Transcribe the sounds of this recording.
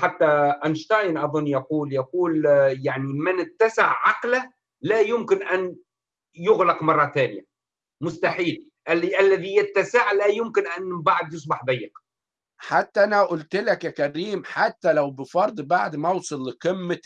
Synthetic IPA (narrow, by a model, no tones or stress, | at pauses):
ħat̪ːæʔænʃt̪ɑjnʔɑðˤʊnːjɑquːljɑquːljaʕnimænɪt̪ːæsɪʕːɑqla | læjʊmkɪnʔæn | jʊɣlɑqmɑrˤːɑt̪æːnɪjæ | mʊst̪aħiːl | ʔʔælːæðijɪt̪ːæsaʕlæjʊmkɪnʔænbaʕd̪jɪs̬ˤbɑħb̪æjːɪq | ħat̪ːæʔænæʔʊlt̪lækjækæɾiːmħat̪ːælæwbɪfɑɾˤd̪ˤbaʕd̪mæwsˤɑlːqɪmːɪ